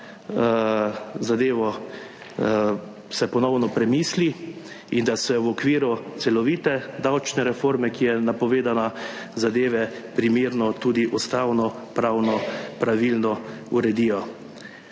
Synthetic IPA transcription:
zad̪eːʋɔ | sɛpɔnɔwnɔpɾɛmiːsli | ind̪asɛwɔkʋiːɾut̪sɛlɔʋiːt̪ɛd̪awt͡ʃnɛɾɛfoɾmɛkijɛnapɔʋeːd̪anazad̪eːʋɛpɾimeːɾnɔt̪uːd̪iʔust̪awnɔ | pɾawnɔpɾaʋilnɔuɾɛd̪iːjɔ

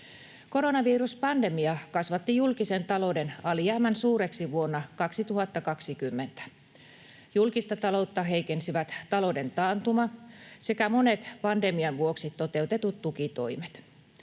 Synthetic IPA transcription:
ko̞ɾo̞nɑʋiːruspɑnde̞miɑkɑsʋɑt̪ːijulkisent̪ɑlo̞denɑljæːmænsuːɾeksiʋuonːɑkɑksit̪uhɑt̪ːɑkɑksikymːent̪æ̥ | julkist̪ɑt̪ɑlo̞ut̪ːɑɦeijkensiʋæt̪t̪ɑlode̞nt̪ɑːnt̪umɑse̞kæmone̞t̪pɑnde̞miɑnʋuoksit̪ːo̞t̪e̞ut̪e̞t̪ut̪t̪ukit̪o̞̰imet̪

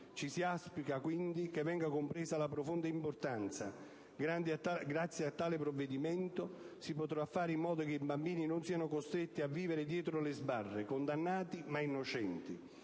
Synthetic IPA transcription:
t͡ʃisiaspikakwind̪ikevːɛŋɡakʊmpɾɛːsalapɾofond̪aimpʊrt̪ant̪sa̰ | ɡɾand̪iaaɡɾat̪sːjeat̪ːaːlɪpɾovːed̪imɛnt̪ʊ | sipot̪ɾafːaːɾɪimːɔːd̪okeibambiːninʊnsiːanʊkost̪ɾet̪ːiavːiːvɪɾɪd̪jɛːt̪ɾʊlɪzbarːekond̪anːaːt̪imainːʊt͡ʃɛnt̪i

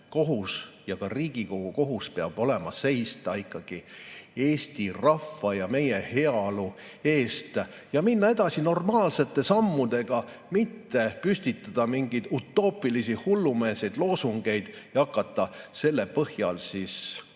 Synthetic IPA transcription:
ko̞ɦusjɑkɑriːɡ̥iko̞ɡ̥uko̞ɦuspeɑb̥o̞le̞mɑse̞jst̪ɑikˑːɑɡ̥ie̞ːsʲt̪irɑfːɑjɑme̞jehe̞ɑlu | e̞ːst̪ | jɑminːɑe̞d̪̥ɑsino̞rmɑːlse̞t̪ˑːe̞sɑmːud̪e̞ɡ̥ɑ | mit̪ːe̞pysʲt̪it̪ːˑɑd̪̥ɑmiŋɡ̥ijd̪̥ut̪ːˑo̞ːpˑilisihulːume̞ːse̞jd̪̥lo̞ːsuŋɡ̥e̞jd̪̥jɑkːˑɑt̪ˑːɑse̞lːe̞pɤhjɑlsis

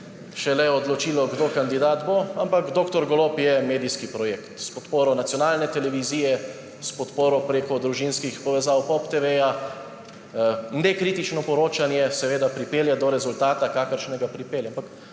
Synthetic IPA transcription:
ʃɛlɛɔd̪lɔt͡ʃiːlɔɡd̪oːkand̪id̪aːt̪boampaɡd̪oːkt̪ɔɾɡɔloːpjɛmeːd̪iskipɾɔjeːkt̪spɔt̪poːɾɔnat̪sijɔnaːlnɛt̪ɛlɛʋiziːjɛ | spɔt̪poːɾɔpɾeːkɔd̪ɾuʒinskixpɔʋɛzawpɔpt̪eʋeːja | nnekɾit̪it͡ʃnɔpɔɾoːt͡ʃanjɛsɛʋeːd̪apɾipeːljɛd̪ɔɾɛzult̪aːt̪akaːkəɾʃnɛɡapɾipeːljampak

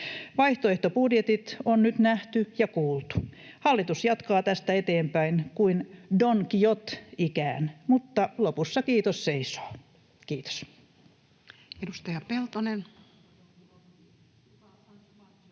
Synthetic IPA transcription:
ʋɑiht̪oeht̪opudjet̪it̪onnyt̪næht̪yjɑkuːlt̪u̥hɑlːit̪usjɑt̪kɑːt̪æst̪æet̪eːmpæinkuindoŋkijot̪ikæːnmut̪ːɑlopusːɑkiːt̪osseiso̥ː | kiːt̪o̥s | edust̪ɑjɑpelt̪onen

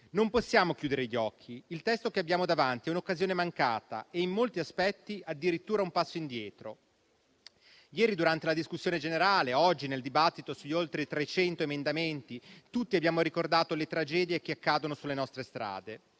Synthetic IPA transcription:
nomposːjaːmokjuːd̪eɾeʎːɔkʰːiilt̪ɛst̪okeabːjaːmod̪avant̪iɛunokːazjoːnemaŋkaːt̪a̰eimːolt̪iaspɛt̪ːiad̪ːiɾit̪ːuːɾaumpasːoind̪jɛːt̪ɾo | jɛːɾid̪uɾant̪elad̪iskusːjoːned͡ʒeneɾaːleɔd͡ʒːineld̪ibat̪ːit̪osuʎːolt̪ɾet̪ɾet͡ʃɛnt̪oemend̪ament̪it̪ut̪ːiabjaːmoɾikord̪aːt̪olet̪ɾad͡ʒɛːd̪jek̟eakːaːd̪onosulːenɔst̪ɾest̪ɾa̰ːd̪e

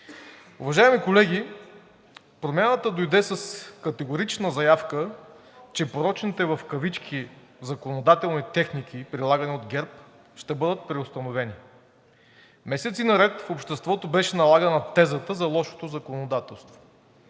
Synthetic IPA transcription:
uvɐʒaɛmikolɛɡ̟ʲi | pɾomʲjanət̪əd̪ojd̪ɛsəskɐt̪ɛɡoʊɾit͡ʃnəzɐjafkə | t͡ʃɛpoɾɔt͡ʃnit̪ɛvɐfkɐvit͡ʃkʲizɐkonod̪at̪ɛlˠnit̪ɛxnik̟ʰipɾilˠaɡɐniod̪ɡʲɛɾp̚ | ʃt̪ɛbɤd̪ət̪̚pɾɛost̪ɐnovɛni | mɛsɛt̪sinɐɾɛt̪fopʃt̪ɛst̪vɔt̪obɛʃɛnɐlˠaɡənɐt̪ɛzət̪əzɐlˠɔʃo̥t̪ozɐkonod̪at̪ɛlˠst̪vo̥

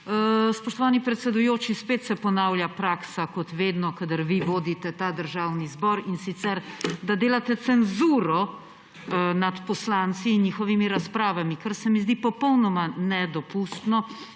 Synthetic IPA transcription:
spɔʃt̪ɔʋaːnipɾɛt̪sɛd̪ujoːt͡ʃispeːt̪sɛpɔnaːwljapɾaːksakɔt̪ʋeːd̪nɔkad̪əɾʋiʋoːd̪it̪ɛt̪ad̪əɾʒaːwnizbɔɾinsit̪sɛɾd̪ad̪eːlat̪ɛt̪sɛnzuɾɔ | nat̪pɔslant̪siːnɲiːxɔʋimiɾaspɾaːʋamikaɾsɛmizd̪ipɔpɔwnɔmanɛd̪ɔpust̪nɔ

